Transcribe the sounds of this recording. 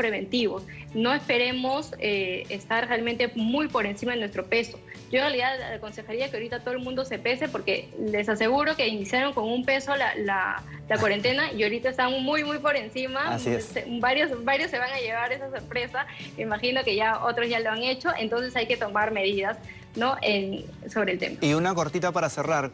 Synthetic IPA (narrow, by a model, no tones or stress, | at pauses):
pɾe̞βe̞nt̪iβo̞s | no̞e̞spe̞ɾe̞mo̞seest̪arrealment̪e̞mujpo̞ɾe̞nsimaðenwe̞st̪ɾo̞pe̞so̞̥ | ɟ͡ʝoenrjaliðaðako̞nse̞xaɾiakeo̞ɾit̪at̪o̞ðelmũnd̪o̞se̞pe̞se̞po̞ɾke̞le̞sase̞ɣuɾo̞ke̞inisjaɾo̞ŋko̞ŋumpe̞so̞la̰la̰ | lakwaɾe̞nt̪e̞naio̞ɾit̪aest̪aŋmujmujpo̞ɾe̞nsimaassebaɾjosbaɾjosːe̞βaŋaʝe̞β̞aɾe̞saso̞ɾpɾe̞sameimaxino̞ke̞ʝao̞t̪ɾozʝaloaŋe̞t͡ʃo̞ʔe̞̰nt̪o̞nse̞sajke̞t̪o̞maɾme̞ð̞iðas | no̞ʔen | so̞β̞ɾeːlt̪e̞̰maiunako̞ɾt̪it̪apaɾaseraɾ